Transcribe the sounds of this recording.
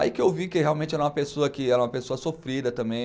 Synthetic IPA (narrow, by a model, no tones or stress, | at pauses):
a̰ikɪewvikɪheawmẽnt͡ʃɪɛɾɐumɐpesoɐkɪɛɾɐũmɐpesoɐsofɾid̪ɐt̪ɐ̃mbẽj̃